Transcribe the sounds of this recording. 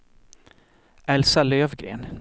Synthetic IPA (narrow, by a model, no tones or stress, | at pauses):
ʔɛlsaløːvɡɾḛːn